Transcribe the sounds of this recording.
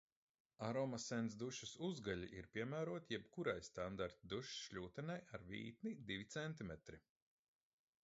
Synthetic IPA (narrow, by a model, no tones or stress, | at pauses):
aɾɔmasɛns̬d̪uʃasuzɡaʎiʔiɾpʲiɛmæːɾuɔt̪ʲjɛbkuɾajst̪and̪aɾt̪ʲid̪uʃsʃʎʲuːt̪ɛnajaɾvḭːt̪̚nid̪ivʲit̪sɛnt̪imɛt̪ɾi